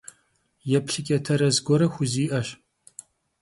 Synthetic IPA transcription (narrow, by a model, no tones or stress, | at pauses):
jɛpɬɪkʲʼɛtʰɐɾɐzɡʷɔɾɐxʷʊziːʔɐʃ